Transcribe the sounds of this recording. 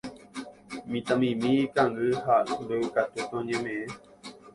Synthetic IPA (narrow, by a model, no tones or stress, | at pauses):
mĩt̪ãmĩmĩːkãŋɡɨhand̪eɨkat̪ut̪õɲẽmẽẽ